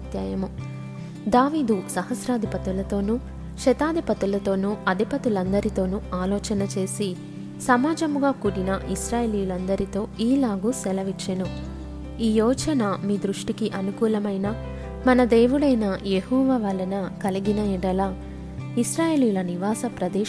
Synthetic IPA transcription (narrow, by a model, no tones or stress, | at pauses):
t̪jaːjɐmu | d̪aːʋiːd̪usɐɦɐsɾaːd̪ʱipɐt̪ulɐt̪o̞ːnu | ʃɛt̪aːd̪ʱipɐt̪ulɐt̪o̞ːnuɐd̪ʱipɐt̪ulɐnd̪ɐɾit̪o̞ːnuaːlɔːt͡ʃɐnɐt͡ʃe̞ːsi | sɐmaːd͡ʒɐmuɡaːkuːɽinɐʔisɾaːjeːlijulɐnd̪ɐɾit̪o̞ːiːlaːɡusɛlɐʋikʂɐnu | iːjɔːt͡ʃɐnɐmiːd̪ɾuʂʈikiʔɐnukuːlɐmɐjnɐ | mɐnɐd̪e̞ːʋuɽɐjnɐjehɔːʋaːʋaːlːɐnɐkɐliɡinɐiɽɐlaː | isɾaːje̞ːlijulɐniʋaːsɐpɾɐd̪eː